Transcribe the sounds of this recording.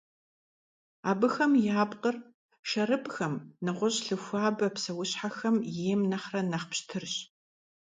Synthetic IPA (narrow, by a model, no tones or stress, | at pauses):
aːbɨxɐmjaːpʼqər | ʃɐɾɨpxɐmnɨʁʷʊɕɬɨxʷaːbɐpsɐwʊɕħaxɐmjeːmnɐχrɐnɐχpɕtʰɨrɕ